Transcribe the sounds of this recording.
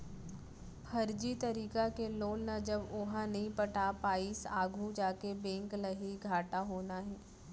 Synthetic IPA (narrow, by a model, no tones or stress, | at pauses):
pʰɐɾd͡ʒit̪ɐɾiːkakeloːlnad͡ʒɐbʊɦãnɐɦĩpɐʈapaːiːsaːɡʱud͡ʒaːkebɛ̃ːŋklɐɦiɡʱaːʈaɦoːnaɦɛː